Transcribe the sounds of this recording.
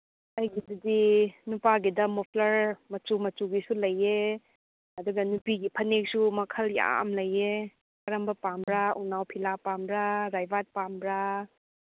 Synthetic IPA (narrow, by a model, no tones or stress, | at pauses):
ɐjɡidɐdinupaɡidɐmɔpʰlɐɾmɐt͡ʃumɐt͡ʃuɡisulɐjːe | ɐduɡɐnupiɡipʰɐnek̚sumɐkʰɐlja̰ʔɐ̰mlɐje | kɐɾɐmbɐpambɾaṵnawpʰilapambɾaɾajbat̚pambɾa